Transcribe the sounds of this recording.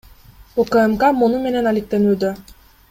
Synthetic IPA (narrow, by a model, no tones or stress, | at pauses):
okaemkamonume̞nenalik̚t̪e̞nyːd̪ø